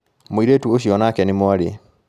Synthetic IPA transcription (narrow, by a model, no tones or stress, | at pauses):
moiɾetuoɕiɔnakɛnemoaɾe